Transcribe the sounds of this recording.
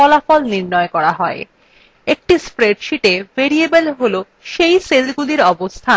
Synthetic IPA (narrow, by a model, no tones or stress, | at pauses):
ɔlafɔlniɾnɔekɔɾaɦɔe | ek̚ʈispɾeɖʃiʈeveɾiebelɦolo | ʃejselɡuliɾɔbost̪ʰa